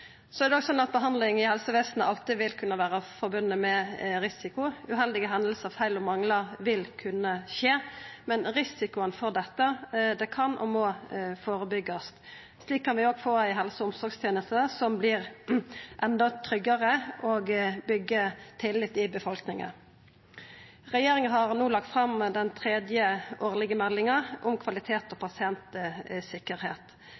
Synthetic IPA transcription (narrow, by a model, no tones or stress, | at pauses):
sɔɛɾd̪ɛɔɡsɔnːɑt̪̚bəɦɑnd̪lɪŋɪhɛlsəʋeːsnəʔɑlt̪ɪʋɪlkʰʉnːəʋæːɾəfɔɾbʉnːəmɛɾɪsɪkʊʉɦɛld̪ɪɡəɦɛnlsəɑʋfæɪlɔmɑŋləɾʋɪlkʰʉnːəʃeːmɛnɾɪsɪkʊənfɔɾd̪ɛt̪ːəd̪ɛkʰɑnʔɔ̰mɔfoːɾəbʏɡːɔst̪ | sliːkʰːɑnʋɪoːɡfoːɾæɪɦɛlsəʊmsɔɾɡst̪ʰjeːnəst̪əsɔmblɪʁ | ʔɛnd̪ɔt̪ʰɾʏɡːəʁəʔoːɡbʏɡːət̪ʰɪlːɪt̪ːɪbəfɔlknɪŋə̰n | ʁɛjeːɾɪŋəɦɑʁnuːlɑk̚t̪fɾɑmd̪ɛnt̪ʰɾeːd̪jəʔoːʁlɪɡəmɛlːɪŋɑʔʊmkʰʋɑlɪt̪ʰeːt̪ɔpʰɑsɪɛnt̪əsɪkːəɾheːt̪